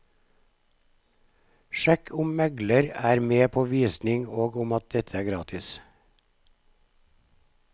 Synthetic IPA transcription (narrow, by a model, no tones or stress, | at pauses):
ʃɛkʰʊmmɛɡləɾæːɾmeːpʰoːʋiːsnɪŋoːɡʊmɑt̪̚d̪ɛt̪ʰəæːɡɾɑːt̪ʰɪs